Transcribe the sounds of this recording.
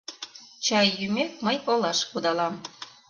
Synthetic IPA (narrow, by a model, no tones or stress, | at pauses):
t͡ɕɑjːymek̚məjolɑʃkud̪ɑlɑm